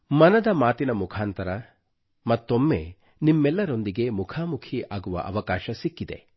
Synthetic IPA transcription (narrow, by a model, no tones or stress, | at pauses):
mɐnɐd̪ɐmaːt̪inɐmukʰaːnt̪ɐɾɐ | mɐt̪ːomːḛ | nimːɛlːɐɾo̞nd̪iɡe̞mukʰaːmukʰiʔaːɡuʋɐ̰ʔɐ̰ʋɐkaːʃɐsikːid̪ḛ